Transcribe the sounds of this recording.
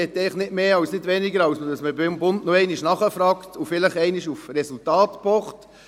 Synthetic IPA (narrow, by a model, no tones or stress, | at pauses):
ɛt̪ːɛɪχnɪtmeːɑwsnɪdʋɛnɪɡəɾɑwsmədɑsməbɪmbʊntnoɛɪnɪʃnɑχəfɾɑːktufɪləχɛɪniʃufɾɛsultɑːtpɔχt